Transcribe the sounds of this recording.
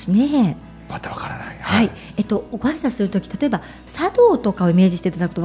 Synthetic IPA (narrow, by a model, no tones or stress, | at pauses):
snẽ | mat̪aβakaɾanaihai | e̞t̪ːo̞ɡaisasɨɾɯ̟t̪o̞kʲi̥t̪at̪o̞e̞ba | sad̪o̞ːt̪o̞kao̞ime̞ːd͡ʑiɕi̥t̪eit̪ad̪akɯ̥t̪o